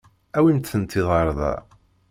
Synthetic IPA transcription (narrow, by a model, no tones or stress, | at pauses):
æwint̪ːənt̪ːiðˤɑɾˤðˤɑ̰